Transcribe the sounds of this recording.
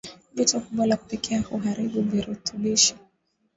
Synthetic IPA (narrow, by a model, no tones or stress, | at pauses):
vitɔkuɓwalaku̥pikʰɛahuɦaɾiɓuviɾutuɓiʃi̥